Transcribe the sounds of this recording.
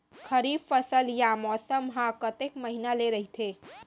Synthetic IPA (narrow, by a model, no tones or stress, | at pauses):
kʰəɾiːffəsəljamɔsəmɦãkət̪ekməɦinaleɾəɦit̪ʰe